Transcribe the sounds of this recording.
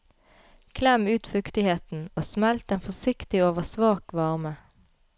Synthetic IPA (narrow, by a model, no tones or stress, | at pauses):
kʰlɛmʉːt̪fʉkt̪ɪheːt̪n̩oːsmɛlt̪eːnfɔsɪkt̪ɪoːʋəsʋɑːkʋɑʁmə